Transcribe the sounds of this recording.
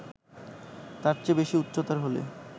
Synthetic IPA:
t̪aɾt͡ɕebeʃiut̪ːɾot̪aɾɦolḛ

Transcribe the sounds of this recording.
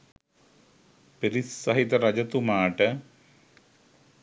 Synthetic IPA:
peɾisɐɦit̪ːɐrɐd͡ʑɐt̪ːumaːʈːɨ

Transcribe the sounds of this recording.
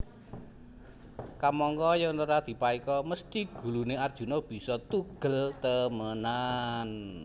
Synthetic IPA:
kamɔŋkɔjaŋnoɾad̪̥i̤paikɔməst̪iɡ̥ṳluneard̥ʒ̥ṳnɔb̥i̤sɔt̪uɡ̥əlt̪əmənan

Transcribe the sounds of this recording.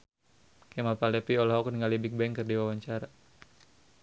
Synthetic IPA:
kɛmalpalɛpiɔlɦɔkniŋɡalibik̚bɛŋkərdiwawaɲt͡ʃaɾa

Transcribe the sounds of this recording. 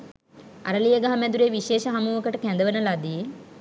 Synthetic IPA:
a̰ɾəlijəɡaɦamɛd̪uɾeʋiʃeːʃəɦamuːʋəkəʈəkænd̪əʋənəlad̪i

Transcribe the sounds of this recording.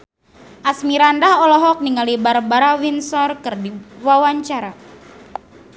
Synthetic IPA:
ʔasmiɾandahɔlɔɦɔk̚niŋalibarbaɾawinsɔrkɨrdiwawaɲt͡ʃaɾa

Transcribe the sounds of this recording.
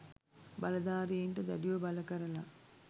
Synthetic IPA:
bɐlɐd̪aːɾeːɳʈɐd̪ɐ̰ɽijobɐlɐkɐɾɐlɐ

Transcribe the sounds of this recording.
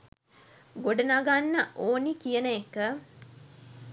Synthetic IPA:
ɡoɖənaɡanːəʔoːnikijənəekːə

